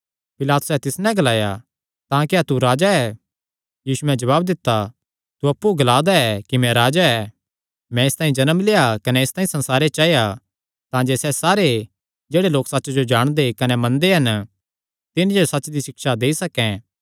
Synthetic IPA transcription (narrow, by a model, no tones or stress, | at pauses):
pɪlaːt̪ʊ̥sɛt̪ɪsnɛ̃ɡɐlaːja̰ | t̪ãːkiat̪uɾaːd͡ʒaɛ | jiːsuɛ̃d͡ʒɐβaːbd̪ɪt̪ːa | t̪uɐpːuɡɐlaːd̪aɛkimɛ̃ɾaːd͡ʒaɛ | mɛ̃ɪst̪aːĩd͡ʒɐnəmleːjakɐnɛɪst̪ãːĩsɐ̃nsaːɾet͡ʃaːeja | t̪ãd͡ʒeːsɛsaːɾe | d͡ʒeːɽeloːksɐtːt͡ʃd͡ʒod͡ʒaːɽ̃d̪ekɐnɛmɐ̃nd̪eɦɐn | t̪ɪnd͡ʒosɐtːt͡ʃd̪iʃɪkʃad̪eːisɐkɛ̃